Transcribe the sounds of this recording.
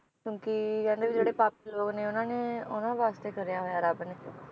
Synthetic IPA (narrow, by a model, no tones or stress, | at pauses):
kjõːkikɛ̃ːnd̪eːʋɪd͡ʒeːɽeːpaːpiloːɡneːʊnãːneːʊnãːʋaːst̪eːkəɾjaːɦoːjaːɾaːbneː